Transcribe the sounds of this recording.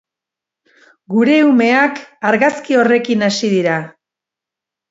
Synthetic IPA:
ɡuɾe̞ume̞akaɾɣaskio̞re̞kinasiðiɾa

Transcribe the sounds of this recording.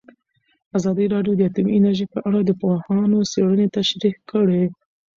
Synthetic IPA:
azɑd̪əɾɑɖjod̪əat̪ʊminaɾʒepəʔaɽad̪əpohɑnoseɽənet̪aʃɾikəɽe

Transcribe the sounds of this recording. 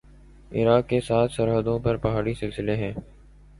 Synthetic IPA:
ɪ̰ɾaːkːesaːt̪ʰsəɾɦəd̪õpɐɾpɐɦaːɾisɪlsɪleɦɛ̃ː

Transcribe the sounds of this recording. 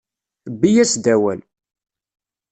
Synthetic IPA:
bːijæsd̪æwæ̰l

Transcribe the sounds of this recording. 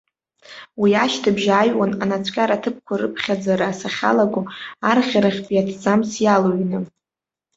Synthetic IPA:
wiaʃtʰɨbʒajwananat͡sʷʰʼkʲʼaɾatʰɨp̚ʰkʷʰaɾɨ̰pʰχʲad͡zaɾaːsaχʲa̰laɡʷʊarχʲaɾaχʲpʼiatʰd͡zamsjaloɥnɨ

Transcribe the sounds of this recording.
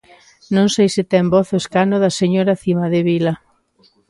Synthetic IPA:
nõŋsejsɪt̪ɛmbɔθoeskanoðɐseɲoɾaθimɐðeβilɐ

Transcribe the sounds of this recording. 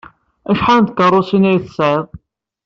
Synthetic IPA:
æʃħand̪̚kərˤosinæjθə̥sʕɪðˤ

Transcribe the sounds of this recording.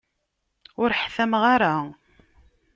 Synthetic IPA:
ʊɾħθæmʁaɾa

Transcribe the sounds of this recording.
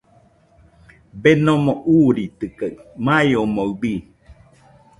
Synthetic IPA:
benomoʔuɾit̪ɨkamãjomoubi

